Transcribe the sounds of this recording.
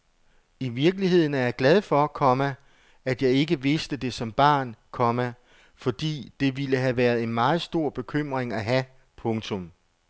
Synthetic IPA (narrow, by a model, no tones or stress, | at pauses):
iʋiɐɡ̥əliɦe̝ð̰ˠn̩æɐjɑ̈ɡ̥læð̞ˠfɒ̽kʰɒ̽mæ | æd̥jɑ̈ɪe̝ɡ̥əʋe̝sd̥əd̥e̝sɒ̽mb̥ɑ̰̈ːnkʰɒ̽mæ | fɒ̽d̥ḭːd̥e̝ʋiləɦæʋæɐðˠe̝nmɑ̈ːð̞̩ˠsd̥o̝ɐ̰b̥e̝kʰøm̰ʁeŋæɦæ | pʰɔ̽ŋt͡sʰoɔ̽m